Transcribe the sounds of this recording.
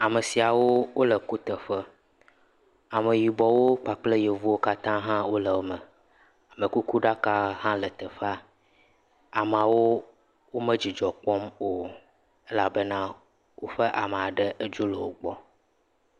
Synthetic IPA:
a˨mə˨si˨a˨wo˦wo˦lə˨ku˦t̪ə˨ɸə˦ | a˨mə˨ji˨bɔ˨wo˦k͡pa˨k͡ple˦je˨vu˦wo˦ka˦t̪ã˦ɦã˦wo˦lə˨wo˦mə˨ | a˨mə˨ku˦ku˦ɖa˦ka˦hã˦lə˨t̪ə˨ɸa˦ | a˨m˨a˨wo˦ | wo˦mə̃˦d͡ʑi˨d͡ʒɔ˨k͡pɔ˦mo˨ | e˦la˦bə˦nã˦ | wo˦ɸə˦ʔa˨mə˨a˨ɖə˦ʔə˦d͡ʒu˦lo˨wo˨ɡ͡bɔ˦

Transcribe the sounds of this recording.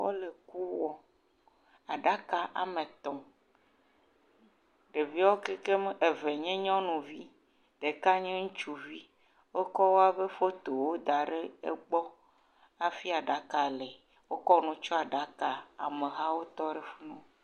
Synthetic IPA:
wo̰˦le˨ku˦wɔ˦ | a˨ɖa˦ka˨ʔa̰˨mẽ˨t̪ɔ˨ | ɖe˨vi˦wo˦ke˦ke˦m˦e˨ve˨ɲɛ̃˦ɲɔ̃˦nũ˨vi˦ | ɖe˨ka˦ɲẽ˦ŋũ˦t͡ʃu˦vi˦ | wo˦kɔ˦wo˦a˦be˦fo˦t̪o˨wo˦d̪a˨ɖe˦ḛ˦ɡ͡bɔ˦ | a˨fi˦a˨ɖa˨ka˨lɛ˨ | wo˦kɔ˦nũ˦t͡ʃɔ˦a˨ɖa˦ka˨a̰˨mẽ˨ɦa˦wo˦t̪ɔ˦ɖe˦fu˦nũ˦

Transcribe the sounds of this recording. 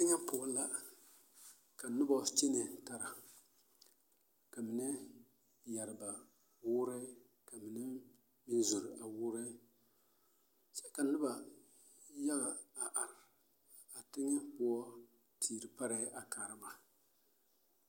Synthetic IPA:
tɪ˦ŋa˦pʊ˨ʊ˦la˦ | ka˨nʊ˦bɔ˦˨˦t͡ʃi˦nɛ˨ta˨ɾa˨ | ka˨mɪ˨nɨ˦ | ja˨ɾɨ˨ba˨ | wʊ˦ɾe˦ | ka˨mɪ˨nɨ˦ | mi˦nzʊ˨ɾɪ˨a˨wu˦ɾe˦ | sɛ˦ka˨nʊ˦ba˨ | ja˦ɣa˨a˨ʔa˨ɾɪ˨ | a˨tɪ˦ŋɛ˦pʊ˦ɔ˦ | tʰiː˨ɾɨ˨pa˦ɾɛ˦ʔa˨ka˨ɾɨ˦ba˨

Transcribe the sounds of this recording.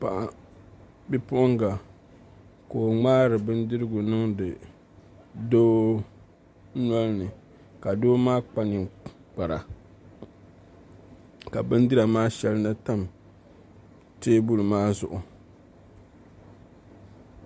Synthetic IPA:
pa˨ʔ | bi˦pʊ˦ŋɡa˨ | koː˨ŋ͡maː˦ɾɨ˨bɨ˦ndɨ˦ɾɨ˦ɡʊ˨nɨ˦ŋdɨ˨ | doː˦ | nɔ˦lnɨ˨ | ka˨doː˦maː˦k͡pa˦nɪ˨ | k͡pa˨ɾa˨ | ka˨bɨ˦n˦dɨ˦ɾa˨maː˦ʃɛ˦lɨ˦na˦ta˦m | teː˦bu˦lmaː˦zʊ˨ʔʊ˨

